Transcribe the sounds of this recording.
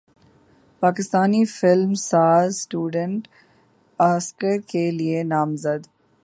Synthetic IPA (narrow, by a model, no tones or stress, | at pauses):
paːkɪst̪aːnifɪlmsaːɾzsʈuːɖə̃ɳʈ | aːskəɾkelienaːmzəd̪